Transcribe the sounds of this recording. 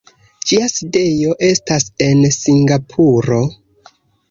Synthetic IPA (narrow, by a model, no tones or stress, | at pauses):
d͡ʒiaside̞jo̞ʔe̞stase̞nsiŋɡapʰuɾo̞